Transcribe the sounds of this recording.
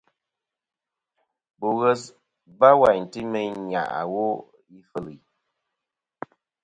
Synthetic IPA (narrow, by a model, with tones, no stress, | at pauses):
bo˨ɣə˦s | ba˦wa˨jn˨tɨ˦me˦ɲa̰˨ʔa̰˨wo˦ | i˦fə˦li˨